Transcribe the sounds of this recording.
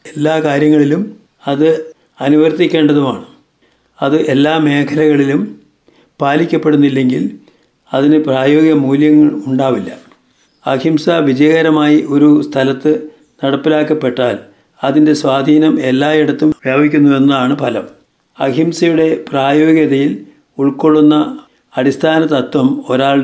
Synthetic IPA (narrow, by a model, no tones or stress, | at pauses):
elːaːkaːɾjɐŋːɐɭilum | ɐðɨ | ɐnuʋɐrt̪ikʲːe̞ːɳɖɐðumaːɳɨ | ɐðɨʔe̞lːaːme̞ːkʰɐlɐɣɐɭilum | paːlikʲːɐpːe̞ɽunːilːeŋɡil | ɐðinɨpraːjo̞ːɡjɐmuːljɐŋːɐɭuɳɖaːʋilːɐ | ɐɡʱimsɐʋid͡ʑɐjɐɣɐɾɐmaːjiʔo̞ɾust̪ʰɐlɐt̪ːɨ | nɐɽɐpːilaːkːɐpːe̞ʈːaːl | ɐðinde̞swaːd̪ʱiːnɐme̞lːaːeɽɐt̪ːumʋjaːbikʲːunːue̞nːɐðaːɳɨpɐlɐm | ɐɡʰʱimsɐjuɽe̞praːjo̞ːɡjɐðɐjil | uɭko̞ɭːunːɐ | ɐɾist̪ʰaːnɐt̪ːɐt̪wɐmo̞ɾaːɭ